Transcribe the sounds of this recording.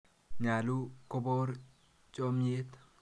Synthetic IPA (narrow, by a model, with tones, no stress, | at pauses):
ɲa˨luko˦bo˦ɾ | t͡ʃʼome˦t̪